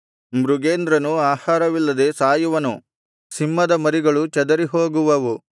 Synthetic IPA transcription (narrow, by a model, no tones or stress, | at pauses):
mɾuɡeːnd̪ɾɐnuaːhaːɾɐʋilːɐd̪e̞saːjuʋɐnṵ | simːɐd̪ɐmɐɾiɡɐɭut͡ʃɐd̪ɐɾiɦoːɡuʋɐʋu